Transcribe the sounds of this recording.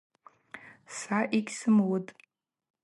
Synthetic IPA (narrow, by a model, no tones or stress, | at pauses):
saʔikʲsɨmwutʼ